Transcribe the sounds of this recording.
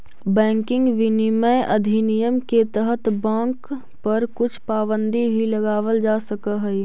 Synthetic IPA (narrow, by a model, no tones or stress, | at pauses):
bɛ̃ːŋkɪ̃ŋɡʋɪniməʔɐd̪ʱinijəmket̪əɦət̪bãːŋkk | pɐɾkʊt͡ʃʰpaːbə̃nd̪ibʱilɐɡaːʋəld͡ʒaːsɐkaɦɛi